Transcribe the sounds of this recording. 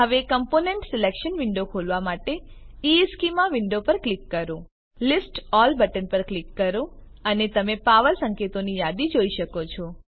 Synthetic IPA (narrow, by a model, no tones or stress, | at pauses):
ɦəʋekəmponẽɳʈsɪlekʃənʋɪɳɖokʰolʋamaʈeieskimãʋɪɳɖopəɾklikːəɾõ | lisʈɔlbəʈənpəɾklikːəɾõənet̪əmepaʋəlsəŋket̪onijad̪id͡ʒoiʃəkot͡ʃʰɔ